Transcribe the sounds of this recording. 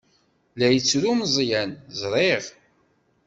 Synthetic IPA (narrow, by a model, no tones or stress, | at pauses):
læjət͡sːɾumzˤjænzˤɾˤeʁ